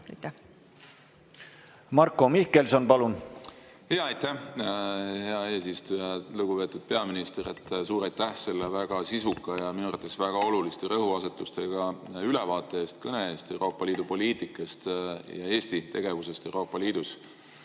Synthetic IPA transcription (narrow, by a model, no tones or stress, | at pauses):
mɑrkːo̞mihkelsonpɑlun | heɑɑjt̪ːæh | he̞ɑe̞ːs̬ist̪ujɑluɡ̥upe̞ːt̪ːˑud̪̥̚pe̞ɑminist̪eɾet̪ːˑsuːɾɑjt̪ːæhse̞lːevæɡ̥ɑsisukːˑɑjɑminuɑɾrt̪ːˑesvæɡ̥ɑo̞lulist̪eɾɤɦuɑse̞t̪ːˑust̪e̞ɡ̥ɑylevɑːt̪ˑːe̞eːst̪kɤne̞e̞ːst̪e̞wɾʔo̞ːpːˑɑliːd̪̥upo̞liːt̪ˑikːˑɑst̪jɑe̞ːst̪it̪e̞ɡ̥e̞vuse̞st̪e̞wɾo̞ːpːˑɑliːd̪̥us